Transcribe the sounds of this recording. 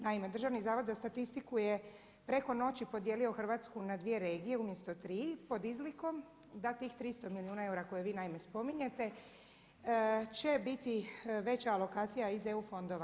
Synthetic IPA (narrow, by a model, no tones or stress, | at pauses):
naime̞d̪r̩ʒaʋnizaːʋo̞d̪zast̪at̪ist̪ikuje̞ | pɾe̞ko̞no̞t͡ɕipo̞d̪jelio̞xr̩ʋaːt̪skunad̪ʋije̞ɾe̞ːɡije̞umjest̪o̞t̪ɾiːpo̞d̪izliko̞m | d̪at̪iːxt̪ɾist̪omiliuːnae̞uɾako̞jeʋiːnaime̞spo̞miɲe̞t̪e̞ | t͡ɕe̞bit̪iʋe̞t͡ɕaːlo̞kaːt̪sijaize̞ufo̞nd̪o̞ʋa